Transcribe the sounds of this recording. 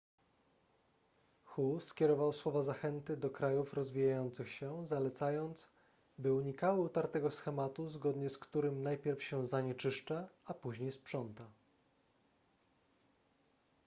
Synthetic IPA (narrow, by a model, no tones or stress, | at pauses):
xuskʲɛɾɔvawswɔvazaxɛnt̪ɘd̪ɔkɾajufɾɔzvʲijajɔnt̪sɘxɕɛzalɛt̪sajɔnt̪s | bɘuɲikawɘut̪aɾt̪ɛɡɔsxɛmat̪uzɡɔd̪ɲɛskt̪uɾɘmnajpʲjɛɾfɕɛzaɲɛt͡ʂɘʂt͡ʂaapuʑɲejspʂɔnt̪a